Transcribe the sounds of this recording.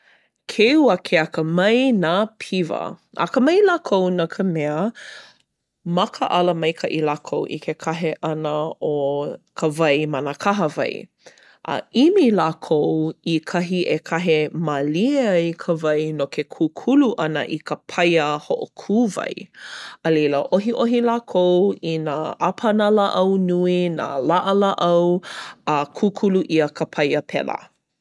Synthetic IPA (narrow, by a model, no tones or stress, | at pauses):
kʰeuəkʰeɐkəmɐjnaːpʰivɐ̰ | ʔɐ̰kəmɐjlaːkʰownakʰəmɛə | mɐkʰəʔɐləmɐjkʰɐʔilaːkʰowʔḭkʰekʰaɦeʔɐnəokʰəvɐjmɐnəkʰaɦəvɐ̰j | ʔə̰ʔimilaːkʰowikʰɐɦiʔekʰɐɦemalieɐjkʰəvɐjnokʰekʰuːkʰuluʔɐnə̰ʔikəpʰɐjəhoʔokʰuːvɐ̰jəleləʔoɦiʔoɦilaːkʰowinaapʰɐnalaʔɐwnuina̰laʔəlaʔɐwakʰukʰuluʔiəkʰəpʰɐjəpʰɛ̰lə̰